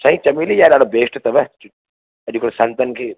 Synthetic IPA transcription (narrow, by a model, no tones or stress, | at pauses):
t͡ʃʰaːɦĩt͡ʃɐmiːlijaɗaːɽobʱeːsʈt̪ɐʋɐ | ɐʄukɽesɐ̃nt̪ənkʰeː